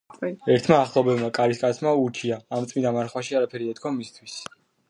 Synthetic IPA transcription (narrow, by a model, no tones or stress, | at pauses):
ɛɾt̪ʰmaːχlˠɔbɛvmakʼaɾiskʼat̪sʰmauɾt͡ʃʰiaːmt̪sʼmind̪amaɾχwaʃiaɾapʰɛɾiɛt̪kʰɔmist̪ʰwis